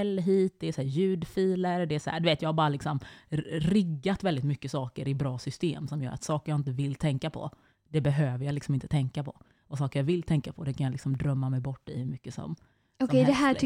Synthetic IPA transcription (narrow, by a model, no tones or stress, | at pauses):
ɛlːɦiːt̪̚d̪ɛːsæːɾjʉ̟ːd̪fiːləɾdɛːsæ̰ɖ̪ʉveːt̪jɑːhaɾbɑːɾalɪksɔmɾɪɡːat̪vɛld̪ɪt̪mʏkːəsɑːkəɾɪbɾɑːsʏst̪eːmsɔmjœ̰ːɾa̰t̪sɑːkəɾjaɪnt̪əvɪlːt̪ʰɛŋkapʰɔ̰ | d̪̥ɛbɛɦøːvəɾjalɪksɔmɪnt̪ə̥t̪ʰɛŋkapʰɔ̰ | ɔsɑːkəɾjavɪlːt̪ʰɛŋkapʰɔd̪ɛkʰanjalɪksɔmd̪ɾœmːamɛjbɔʈːɪhɵmʏkːəsɔ̰m | ɔkɛd̪ɛɦæː